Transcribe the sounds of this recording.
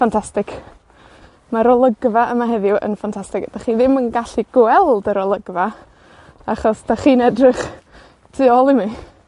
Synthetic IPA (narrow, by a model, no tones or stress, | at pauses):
fantʰastɪk | maɾɔlˠəɡvaʔəmaɦɛðɪuʔə̰nfantʰastɪkd̥aχiðɪmənɡaɬiɡ̥wɛlˠdəɾɔlˠəɡva | aχɔsd̥aχiːnɛdrɪχ | tʰɨːɔlˠimi